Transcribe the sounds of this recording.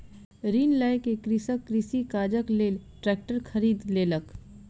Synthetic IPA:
ɾiːnlaːɪkekɾisəkːɾisikaːd͡ʒəkleːlʈɾɛːk̚ʈəɾkʰəɾiːd̪leːlək

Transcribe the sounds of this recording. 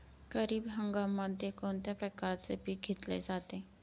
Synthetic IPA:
ɡ̥əɾiːbɦəŋɡamant̪ekont̪japɾəkaɾt͡sepiːk̚ɡʱet̪lḛd͡zat̪e

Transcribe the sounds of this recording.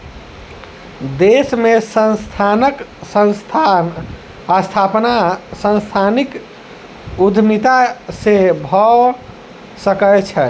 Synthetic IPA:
d̪esmesənst̪ʰanəksə̃nst̪ʰan | ast̪ʰapnasə̃nst̪ʰanik | ud̪ʱmit̪asebʱɔ | səkət͡ʃʰɛ

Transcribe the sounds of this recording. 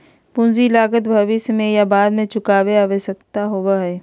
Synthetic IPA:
pʊ̃nzilaːɡət̪bʱɐʋɪsmẽjabaːd̪mẽt͡ʃʊkaːʋeaʋəsəkt̪aɦoʋaɦɛː

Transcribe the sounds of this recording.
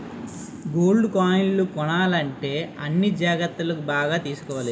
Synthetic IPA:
ɡoːlɖkaːjɳlukɔɳaːlɐɳʈe̞ːɐnːid͡ʒaːɡɐt̪ːulɐkubaːɡaːt̪iːsu̥kɔːʋaːli

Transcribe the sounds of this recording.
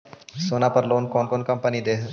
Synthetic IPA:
soːnaːpəɾloːnkɔːnkɔːnkɐmpənid̪eː

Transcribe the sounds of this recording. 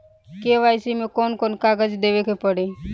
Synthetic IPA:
keʋaːɪsimẽkoːnkoːnkaːɡəd͡ʒd̪eːʋekepəɽe

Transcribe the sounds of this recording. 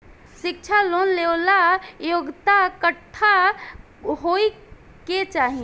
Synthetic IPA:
sik̚t͡ʃʰalonlewlajoɡt̪akəʈʰːa | ɦoj | ket͡ʃaɦi

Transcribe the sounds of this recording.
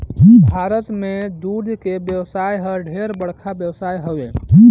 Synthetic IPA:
bʱaɾət̪med̪ud̪ʱkebjəwsajɦəɖʱeɾbəɽ̤kʰabjəwsajɦəwe

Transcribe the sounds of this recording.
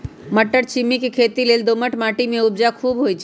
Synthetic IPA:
məʈːəɾt͡ʃʰimːikekʰeːt̪ileːld̪oːməʈmaːʈimẽʊb̚d͡ʒakʰuːbɦojt͡ʃʰ

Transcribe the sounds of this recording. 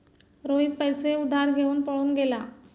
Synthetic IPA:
ɾoɦid̪̚pəjseud̪ʱaɾɡʱeuːnpəɭuːnɡela

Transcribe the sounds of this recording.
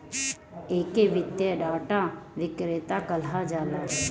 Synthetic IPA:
eːkeʋɪt̪jəɖaːʈaʋɪkɾeːt̪akɐlad͡ʒaːlaː

